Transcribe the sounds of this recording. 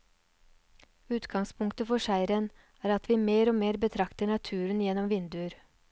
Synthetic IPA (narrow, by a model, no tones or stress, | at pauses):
ʉːt̪ɡɑŋspʰʊŋkt̪əfɔʂæɪɾən | æːɾɑt̪ʰʋiːmeːɾoːmeːɾbət̪ʰɾɑkt̪əɳɑt̪ʰʉːɾənjɛnɔmʋɪnd̪ʉəɾ